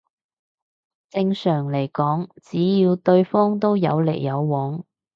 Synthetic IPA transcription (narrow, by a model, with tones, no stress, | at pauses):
t͡sɪ˧ŋsœː˨˩ŋle˨˩jkɔː˨˥ŋt͡siː˨˥jiː˨˧wt̪ɵ˧ɥfɔː˥ŋt̪o˥wjɐ̰˨˧wle˨˩jːɐ˨˧wːɔː˨˥ŋ